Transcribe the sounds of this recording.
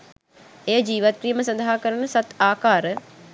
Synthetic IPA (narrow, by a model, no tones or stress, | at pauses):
ejəd͡ʒiːʋat̪̚ɾijəməsɐnd̪ʱaɦakəɾənəsat̪aːkaːɾə